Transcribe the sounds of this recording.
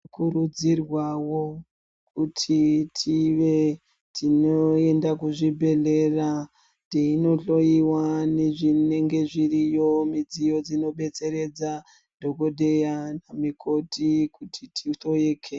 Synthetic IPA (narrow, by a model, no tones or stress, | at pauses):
kuɾud͡zirwawo | kutʰitʰiʋe̞ | tinoe̞ndakuʐibʱe̞ɮe̞ra | teino̞ɬo̞iwane̞ʐine̞ŋɡe̞ʐirijo̞mid͡zijo̞d͡zino̞ɓe̞t͡se̞ɾe̞d͡za | dʱo̞ɡo̞dʱe̞janamikʰo̞tikutʰitʰiɬo̞jekʰe